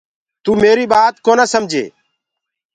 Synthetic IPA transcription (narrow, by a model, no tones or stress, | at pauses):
t̪uːmeːɾiːɓaːt̪koːnãːsəmd͡ʒʱḛː